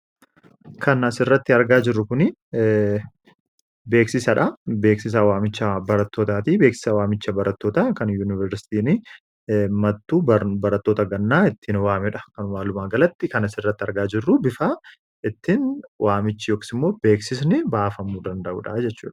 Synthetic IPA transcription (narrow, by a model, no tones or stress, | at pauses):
kʰɐnɐsɪrːɐt̪ːɪɐɾɡaːd͡ʒɪrːʊkʊnɪ | be̞ːksɪsɐᶑɐbe̞ːksɪs̬awaːmɪt͡ʃːɐbɐɾɐt̪ːo̞ːt̪aːt̪iːbe̞ːksɪ̥sɐwaːmɪt͡ʃːɐbɐɾɐt̪ːo̞ːt̪ɐkɐnjuːnɪvɛɾsɪ̥t̪iːnɪ | mɐt̪ːuːbɐɾɐt̪ːo̞ːt̪ɐɡɐnːaːɪt̪ːɪnwaːmɛᶑɐkɐnʊmaːlʊmaːɡɐlɐt̪ːɪkɐnɐsɪrːɐt̪ːɪɐɾɡaːd͡ʒɪrːʊbɪfaː | ʔɪt̪ːɪnwʔaːmɪt͡ʃːɪjoːkɪ̥sɪmːo̞ːbe̞ːksɪs̬nɪbaːfɐmːuːd̪ɐnd̪ɐʔṵːᶑɐd͡ʒɛt͡ʃːṵːᶑɐ̥